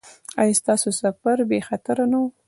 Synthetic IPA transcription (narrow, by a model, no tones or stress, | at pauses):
ajast̪ɑsosafaɾbexat̪aɾanaw